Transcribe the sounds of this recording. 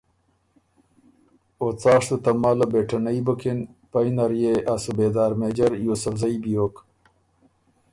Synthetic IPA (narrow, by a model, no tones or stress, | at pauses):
ot͡saːʂt̪ut̪ɐmaːlɐbeːʈʰɐnɐibɐkenpɐjnɐɾjeʔasubeːd̪aːɾmeːd͡ʑɐɾjoːsɐfzɐibijok